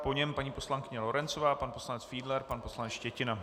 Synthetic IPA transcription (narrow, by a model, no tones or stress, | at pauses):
po̞ɲɛmpaɲiːpo̞slaŋkɪɲɛlo̞ɾɛnt͡sovaːpanpo̞slanɛt͡sfiːdlɛɾpanpo̞slanɛt͡sʃcɛcɪna